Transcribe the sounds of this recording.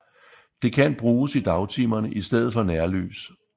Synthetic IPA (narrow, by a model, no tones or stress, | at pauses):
d̥e̝kʰænb̥ʁuːsid̥ɑ̈ʊt͡sʰimɐnəʔisd̥eð̞̰ð̩ˠfɒ̽næɐly̰ːs